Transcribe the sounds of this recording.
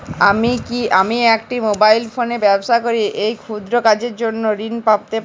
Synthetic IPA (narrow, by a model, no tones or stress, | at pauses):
amikiamiɛkʈimobajlfonebɛbʃakoɾiejkʰud̪ɾokad͡ʑeɾd͡ʑonːoɾinpab̚t̪e